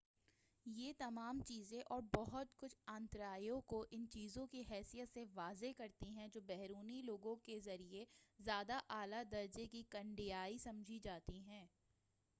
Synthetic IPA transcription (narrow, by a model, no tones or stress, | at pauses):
jeːt̪ɐmaːmt͡ʃiːzẽʔɔːɾbɔɦʊt̪kʊt͡ʃʰãːnt̪ɾaːiõkoʔɪnt͡ʃiːzõkiɦɛːsijət̪seʋaːzekɐɾt̪iɦɛ̃d͡ʒoːbɛɦɾuːniloːɡõkezɐɾiezjaːd̪aʔaːlad̪ɐɾd͡ʒekikɐ̃ɳɖɪjaːisɐ̃md͡ʒʱid͡ʒaːt̪iɦɛ̃ː